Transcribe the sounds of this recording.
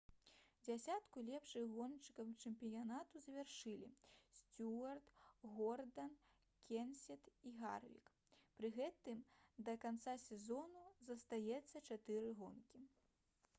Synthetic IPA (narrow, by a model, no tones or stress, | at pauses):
d͡zʲasʲat̪kulʲɛpʂɨɣɔnt͡ʂɨ̥kɐwt͡ʂɛmpʲijanat̪uzɐvʲarʂɨlʲḭsʲt͡sʲuɐrt̪ɣɔrd̪ɐn | kʲɛnsʲɛt̪iɣa̰rvʲḭk | pɾɨɣɛt̪ɨmd̪ɐkant̪sasʲɛzɔnuzɐst̪ajɛt̪sːɐt͡ʂat̪ɨɾɨɣɔnkʲi